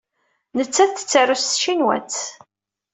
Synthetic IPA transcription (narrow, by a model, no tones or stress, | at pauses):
nət͡sːæðθə̥t͡sːarːust̪ʃinwæ̰t͡sː